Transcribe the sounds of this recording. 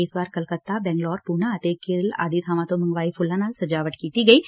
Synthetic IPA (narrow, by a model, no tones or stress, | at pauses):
eːsbaːɾkɐlkət̪ːabɛ̃ːŋɡlɔːɾpuːnãɐt̪eːkːɪɾla̰ːd̪it̪ʰaːmãt̪omɐ̃ŋɡʋaːipʰʊlːãnaːlsɐd͡ʒaːʋəʈkiːt̪iɡɐiː